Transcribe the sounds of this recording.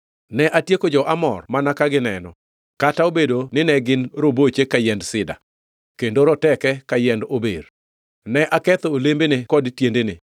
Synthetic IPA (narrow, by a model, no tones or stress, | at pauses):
nɛʔatjekod͡ʒɔʔamɔ̰rmanakaɡɪnɛnɔ̰ | kataobedonɪnɛɡɪnɾobot͡ʃekajɛndsɪda̰ | kendoɾɔtɛkɛkajɛndober | nɛʔakɛt̪ɔolembenɪkɔdtjendenɪ